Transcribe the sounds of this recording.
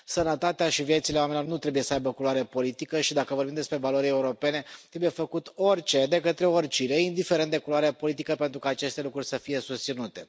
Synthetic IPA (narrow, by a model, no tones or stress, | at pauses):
sənət̪at̪eaʃivje̞t̪sileamenilornut̪ɾe̞buje̞səajbəkuloaɾepo̞lit̪ikəʃid̪akəvo̞rbimd̪espɾe̞valo̞ɾieuɾo̞pe̞ne̞t̪ɾe̞buje̞fəkut̪o̞rʲt͡ʃe̞d̪e̞kət̪ɾe̞orʲt͡ʃineind̪ifeɾent̪d̪ekuloaɾepo̞lit̪ikəpent̪ɾukaːt͡ʃe̞st̪e̞lukɾurʲsəfije̞sust̪sinut̪e̞